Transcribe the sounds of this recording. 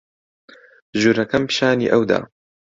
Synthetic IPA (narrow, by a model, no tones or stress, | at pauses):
ʒuːɾɐkɐmpʃaːnḭːʔɐwd̪a̰ː